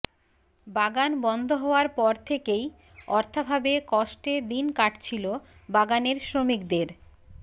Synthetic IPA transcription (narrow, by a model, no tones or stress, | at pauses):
baɡanbɔnd̪ʱoɦɔoaɾpɔɾt̪ʰekej | ɔɾt̪ʰabʱabekɔʃʈed̪inkaʈt͡ɕʰilobaɡaneɾsɾomikd̪eɾ